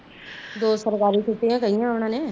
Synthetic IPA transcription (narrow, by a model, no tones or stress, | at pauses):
d̪oːsəɾkaːɾit͡ʃʰʊt̪iãːkəɦijãpɳãːnẽː